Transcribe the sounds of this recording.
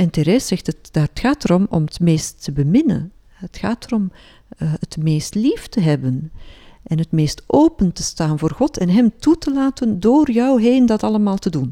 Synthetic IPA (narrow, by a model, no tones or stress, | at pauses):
ɛnteɾeːsɛxtətd̥aːətxaːtəɾɔmɔ̰mətmeːstːəbəmɪnə̰n | ɦətxaːtərɔm | ətmeːstliftəɦɛbənʔɛnɦətmeːstʔoːpəntə̥staːnvoːrχɔtɛnɦɛmtutəlaːtəndoːrjœwɦeːndɑtɑləmaːlˠtədun